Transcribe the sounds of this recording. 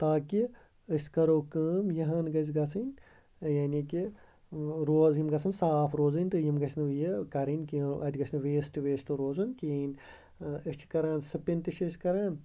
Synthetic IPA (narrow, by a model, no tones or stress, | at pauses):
t̪aːki | əsʲkɐɾoːkɨːmjɐɦɐnɡɐzʲɡɐt͡sʰɨnʲ | jaːnʲiki | ɾoːzjimɡɐt͡sʰɨnsaːpʰɾoːzɨnʲt̪ɨjimɡɐsʰʲnɨjikɐɾɨnʲkiːʔɐd̪ʲɡɐsʰʲnɨʋeːsʈɨʋeːsʈɨɾoːzɨnkiːnʲ | ət͡ʃʰi̥kɐɾaːnsɨpinʲt̪ɨʃʰɐsʲkɐɾaːn